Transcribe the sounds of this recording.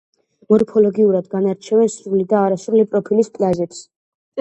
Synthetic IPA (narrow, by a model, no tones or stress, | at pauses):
mɔɾpʰɔlɔɡiuɾad̪ɡanaɾt͡ʃʰɛvɛnsɾulid̪aːɾasɾulipʼɾɔpʰilispʼlazɛps